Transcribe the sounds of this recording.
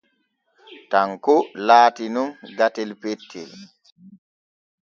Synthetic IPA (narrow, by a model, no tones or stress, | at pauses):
taŋkɔlaːtinumɡatɛlpetʰːɛ̰l